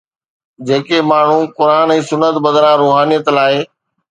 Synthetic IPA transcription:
d͡ʑeːkemaːɳ̤ũkʊɾaːnɛ̃ːsʊnːət̪bəd̪ɾãɾoːɦaːnijət̪laːe

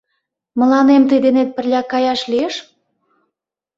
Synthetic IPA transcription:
mə̆lɑnemt̪əjd̪enet̪̚pə̆rlʲɑkɑjɑʃlieʃ

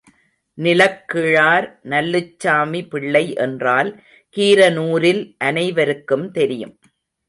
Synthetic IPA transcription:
nɪlɐkːɪɻaːɾnɐlːɯt͡ʃːaːmipɪɭːɐɪʔɛ̰ndraːl | kiːɾɐnuːɾɪlʔɐnɐɪʋɐɾɯkːɯmt̪ɛɾɪjɯ̰m

